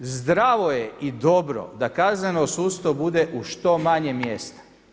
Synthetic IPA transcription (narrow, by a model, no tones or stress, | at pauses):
zd̪ɾaʋo̞jeid̪o̞bɾo̞̰d̪akaznenosuːst̪obud̪eʔuʃt̪o̞maɲemjest̪ḁ